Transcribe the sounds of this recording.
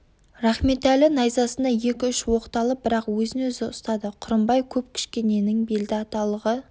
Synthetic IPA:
ɾɑχme̞t̪ælɪnɑjzɑsənd̪ɑje̞kʲɪʏʃwo̞qt̪ɑlˠəbɪɾɑqwɵzɪnɵzɪʊst̪ɑd̪əqʰʊɾəmbɑjkʲʰɵp̚kʲʰɪ̥ʃkʲe̞ne̞nɪŋbe̞ld̪ɪɑt̪ɑlˠəʁə

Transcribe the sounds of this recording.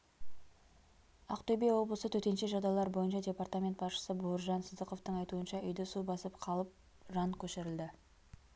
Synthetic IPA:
ɑqt̪ʰɵbejwo̞blˠəsət̪ʰɵt̪e̞nʃeʒɑd̪ɑlˠɑɾbo̞jənʃɑdʲe̞part̪amʲent̪̚bɑsʃə̥səbuəɾʒɑnsəd̪əqo̞ft̪əɴɑjt̪uənʃɑʏjd̪ɪsubɑsəpqʰɑlˠəp̚ | ʒɑŋkʲʰɵʃɪɾɪld̪ɪ

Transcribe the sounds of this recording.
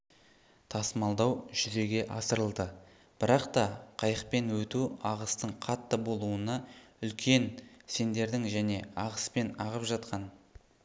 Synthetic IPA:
t̪ʰɑsmɑlˠd̪ɑwʒʏze̞ɡʲe̞ʔɑsəɾəlˠd̪ə | b̥ɪɾɑqt̪ɑqʰɑjəq̚pe̞nwɵt̪uɑʁəst̪əɴqʰɑt̪ːəbo̞lˠuənɑʏlkʲe̞nse̞nd̪e̞ɾd̪ɪŋʒæne̞ɑʁəspe̞nɑʁəpʒɑt̪qɑn

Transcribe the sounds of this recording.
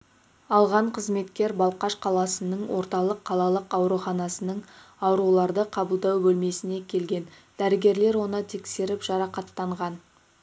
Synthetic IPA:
ɑlˠʁɑɴqʰəzme̞t̪kʲe̞ɾbɑlˠqɑʃqʰɑlˠɑsənəɴwo̞ɾt̪ɑlˠəqʰːɑlˠɑlˠəqɑwɾuχɑnɑsənəɴɑwɾulˠɑɾd̪əqʰɑbəlˠd̪ɑwbɵlme̞sɪne̞kʲʰe̞lɡʲe̞n | d̪̥æɾɪɡʲe̞ɾle̞ɾwo̞nət̪ʰe̞kse̞ɾɪpʒ̥ɑɾɑqɑt̪ːɑɴʁɑn

